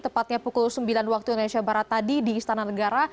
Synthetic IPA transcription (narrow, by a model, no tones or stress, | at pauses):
t̪əmpat̪̚ɲapukulsəmbilanwak̚t̪uindonesiabaɾat̪ːadidiːst̪anahnəɡaɾa